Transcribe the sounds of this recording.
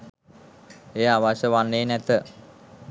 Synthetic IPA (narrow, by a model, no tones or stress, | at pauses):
eːaʋaʃəʋanːeːnɛt̪ə